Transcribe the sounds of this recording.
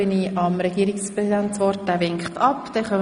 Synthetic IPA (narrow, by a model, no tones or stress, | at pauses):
ɪniɑmɾɛɡ̥iːɾɪkspʁɛsidæntsʋɔɾt̚d̥æːʋɪŋkχtʰɑpd̥̪ɛχœm